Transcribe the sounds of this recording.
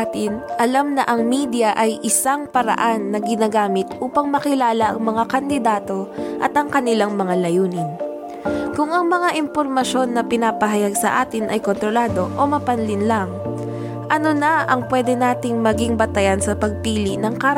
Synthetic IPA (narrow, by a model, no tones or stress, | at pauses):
t̪ɪnʔɐlamnɐʔɐŋmiːd̪jɐʔɐjʔɪsaŋpɐɾɐ̰ʔanːɐɡɪnaɡaːmɪt̪ʔuːpɐŋmɐkɪlaːlɐʔɐŋmɐŋakɐnd̪ɪd̪aːt̪o̞ʔɐt̪ɐŋkɐnɪlaŋmɐŋalɐjuːnɪn | kʊŋɐŋmɐŋaʔɪmpo̞ɾmɐʃo̞nːɐpɪnapɐɦɐjaɡsɐ̰ʔaːt̪ɪnʔɐjko̞nt̪ɾo̞laːd̪o̞ʔomɐpɐnlɪnlaŋ | ʔɐno̞nɐʔɐŋpwɛːd̪ɛnaːt̪ɪŋmɐɡiŋbɐt̪ɐjansɐpɐɡ̚piːlinɐŋka